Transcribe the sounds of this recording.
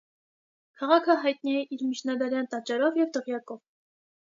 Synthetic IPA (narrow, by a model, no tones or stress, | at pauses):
kʰɑʁɑkʰəɦɑjt̪̚niɛʔiɾmit͡ʃʰnɑd̪ɑɾjɑnt̪ɑt͡ʃɑɾɔvjɛvt̪əʁjɑkɔv